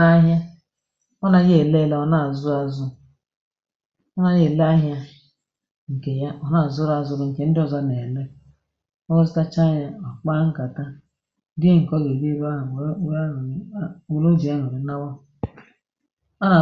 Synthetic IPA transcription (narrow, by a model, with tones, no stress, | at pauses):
a˦ɦja˦ | ɔ˦na˨˦ɣe˦˨le˦˨le˨˦ɔ˨na˨zʊ˦a˦zʊ˦ | ɔ˦na˨je˦˨le˦a˦ɦja˦ | ŋ̩˨ke˨ja˦ɔ˨na˨zʊ˦ɾa˨zʊ˦ɾŋ̩˨ke˨n̩˦dɪ˦ɔ˨za˦ne˨le˦ | ɔ˦ɔ˦zi˦ta˦t͡ʃa˦ɲa˦ɔ˨k͡pa˦ŋ̩˦ka˨ta˦ | dɪ˦ŋ̩˨kɔ˦ɡe˨di˦ɾa˦ɦa˨˦˨u˨lo˦d͡ʒi˨ja˦ɦo˨ɾi˨na˦wɔ˦ | ɔ˦na˨